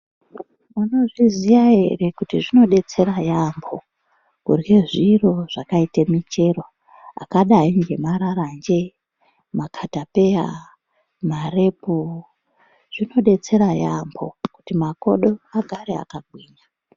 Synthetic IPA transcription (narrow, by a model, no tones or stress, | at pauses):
mano̞ʐizijaɦe̞̰re̞kutiʐino̞ɗe̞t͡se̞ɾajambʰo̞ | kurjeʐiro̞ʐ̥akaitemit͡ʃe̞ro | a̰kaɗaiŋɡe̞maɾaɾand͡ʒe̞ | makʰatape̞ja | mare̞pu | ʐ̥ino̞ɗe̞t͡se̞ɾajambʰo̞̰ku̥timako̞̰ɗo̞aɡʱaɾea̰kaɡʱwiːɲa